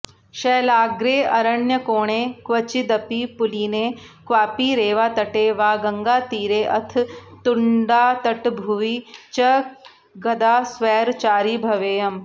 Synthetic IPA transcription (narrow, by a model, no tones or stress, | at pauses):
ʃɐːlaːɡɾeːɐɾɐɳjɐkoːɳ̃eːkʋɐt͡ʃid̪ɐpiːpʊliːneːkʋaːpiːɾeːʋaːt̪ɐʈeːʋaːɡɐŋɡaːt̪iːɾeːʔɐt̪ʰt̪ʊɳɖaːt̪ɐʈbʱuʋiːt͡ʃɐ | ɡɐd̪aːsʋɛːɾt͡ʃaːɾiːbʱɐʋeːjɐm